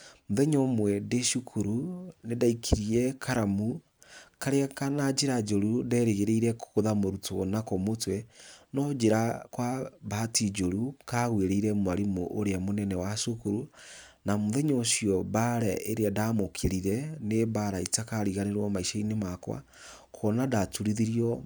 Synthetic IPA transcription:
moðɛɲɔmwɛdeʃukʰuɾunedaikʰiɾiɛkʰaɾamu | kaɾeakanad͡ʒeɾad͡ʒoɾudɛːɾeɣeɾeiɾɛkkoðamoɾutoɔnakɔmotwɛnɔd͡ʒeɾakwabaːtid͡ʒoɾukaɣweɾeiɾɛmoaɾimo̰ʔoɾeamonɛnɛwasokuɾu | namoðɛɲosiɔβaɾɛʔeɾeadamokʰeɾiɾɛnebaɾaitakaɾiɣaneɾwɔmaiʃainemakwa̰ | kʰɔnadatuɾiðiɾiɔ

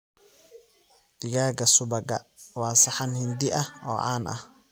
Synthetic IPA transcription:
d̪̥ɪɣaːɡɐsʊbɐɡɐ̰wɑːsɑħɑnhɪnd̪ɪʔɐɔ̰ːʔa̰ːnʔɐ̰h

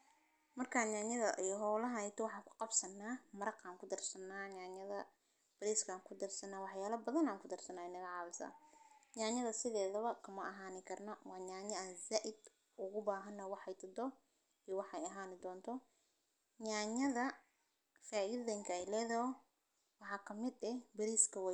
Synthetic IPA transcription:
mɐrkʰaːɲaːɲɐðɐʔijɦɔːlɐɦjt̪ʰɔwɑħɑːŋkʰʊ̥qɑbsɐnːaːmɐɾɑqaːŋkʰʊd̪ɐrsɐnːaːɲaːɲɐðɐ | b̥ɐɾiːskʰaːŋkʰʊd̪ɐrsɐnaːwɑħjaːlɐbɐðɐnaːŋkʰʊd̪ɐrsɐnaːɛjnɐɣɑʕɑːβɪsa̰ːɲaːɲɐðɐsɪðɛːðɐβɐkʰɐmɐʔɐɦaːnɪkʰɐrnɐwɑːɲaːɲɐaːnzaːʔɪd̪ | ʊɣʊbaːɦɐnːɐwɑħɛjt̪ʰɐd̪ɔ | iwɑħɛjɐɦaːnɪd̪ɔːnt̪ʰɔ | ɲaːɲɐðɐ | faːʔiːðɐŋkʰɐɛjlɛːðɐɦɔ | wɑħɑːkʰɐmɪd̪ɛbɐɾiːskʰɐwɛ

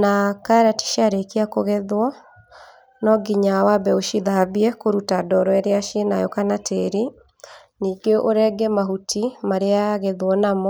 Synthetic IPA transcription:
nakaɾati̥ʃaɾekiakoɣɛðwɔ | nɔɡiɲawabɛoʃiðaβiɛkoɾutadɔɾɔɛɾeaʃienajɔkanateɾi | niːɡeʔoɾɛɡɛmaɦutʰimaɾeaɣeðwɔnamɔ

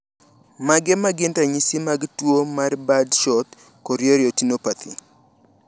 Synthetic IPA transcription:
maɡɛmaɡɪntaɲisimaɡtwomarbadʃɔt̪ | kɔɾjoɾjotinopat̪ʰḭ

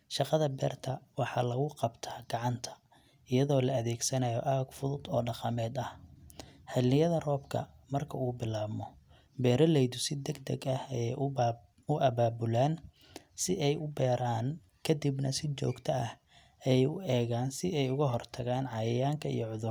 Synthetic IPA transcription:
ʃɑqɑðɐbɛ̰ːrt̪ʰɐwɑħɑːlɐɣʊqɑbt̪ʰaːɡ̥ɑʕɑnt̪ʰɐ̥ | ɪjɐðɔːlɐɐðɛːɡsɐnɐjɔʔaːɡfʊðʊd̪ɔːɖɑqɑmɛːd̪ɐh | hɐlɪjɐðɐrɔːbkʰɐ̰ | mɐrkʰɐuːbɪlaːmɔ | bɛːɾɐlɛjd̪ʊsɪd̪ɐɡd̪ɐ̰ɡɐhɛj | ʊʔɐβaːbʊlaːn | sɪʔɛjʔʊbɛːɾaːn | kʰɐd̪ibnɐsɪt͡ʃɔ̰ːɡt̪ʰɐɐh | ɛjʊɛːɣaːnsɪɛjʊɣɐɦɔrt̪ʰɐɣaːnʕɑjɐjaːŋkʰɐḭjɔʕʊðʊr

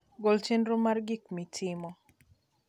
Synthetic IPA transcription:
ɡolt͡ʃenɾomarɡikmitʰɪmɔ

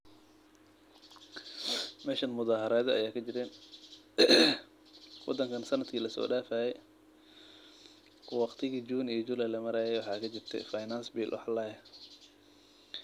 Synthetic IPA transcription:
mɛːʃɐnmʊðaːhɐɾɛːðɐɐjaːkʰɐd͡ʒɪɾɛːn | wɔ̰d̪ɐŋkʰɐnsɐnɐd̪kʰiːlɐsɔ̰ːɖaːfaːjɛj | wɑqt̪ʰɪɣiːd͡ʒuːnijɔd͡ʒulɐlɐmɐɾɛːjɛjwɑħɑːkʰɐd͡ʒɪrt̪ʰɛ̰fajnansbiːlʔwɑ̰ħlɛːjɐ

